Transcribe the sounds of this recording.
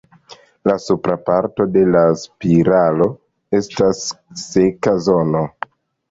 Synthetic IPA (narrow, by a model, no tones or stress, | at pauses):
lasupɾapaɾto̞de̞laspiɾalo̞ | e̞stasːekazo̞no̞